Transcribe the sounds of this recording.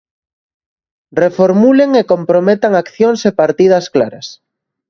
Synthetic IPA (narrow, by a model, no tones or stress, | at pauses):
refoɾmuleŋekompɾomet̪aŋakθjoŋsepaɾt̪ið̞ɐsklaɾɐs